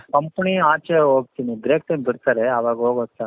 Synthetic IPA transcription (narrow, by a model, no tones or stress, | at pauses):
kɐmpɳiaːt͡ʃeɦoːɡ̚t̪iniɖɾeːk̚ʈembiɽt̪aːɾeɐʋaːɡɦoːɡoːɡ̚t̪a